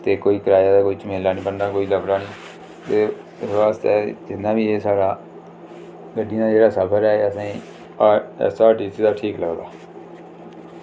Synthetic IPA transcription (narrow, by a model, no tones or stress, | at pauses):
t̪eːkoːiːkəɾaːjaːd̪aːkoːiːt͡ʃmeːlaːnĩːbənd̪aːkoːiːləbɾaːnĩː | t̪eː | sʋaːst̪ɛːd͡ʒɪnːãːbiːeːsaːɽaː | ɡəɖid̪aːd͡ʒeːɽaːsəpʰəɾɛːəsãː | saːʈiːsiːd̪aːʈʰiːkləɡd̪aː